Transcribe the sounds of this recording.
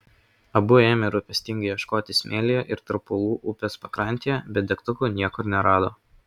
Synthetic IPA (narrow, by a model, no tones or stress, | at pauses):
ɐbʊeːmʲɪɾʊpʲɛsʲt̪ʲɪŋɡɐɪjɛʃkoːt̪ʲɪsʲmʲʔeːlʲɪjoʔɪɾt̪ɾɐpʊlˠuːʔʊpʲɛspɐkɾɐˑnʲt̪ʲijɛbʲɛt̪d̪ʲɛkt̪ʊkʊːnʲiɛkɔɾnʲɛɾɑːd̪oː